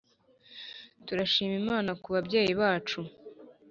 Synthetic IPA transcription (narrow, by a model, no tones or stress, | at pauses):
tuɾaʃiːmimaːnakuβabɟe̞ːjiβaːt͡ʃu